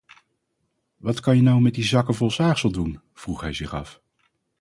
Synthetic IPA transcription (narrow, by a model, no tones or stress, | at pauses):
ʋɑtkɑnjənawmɛt̚dizɑkəvɔlˠsaːχsəlˠdun | v̥ruχɦɛjzɪχɑ̰f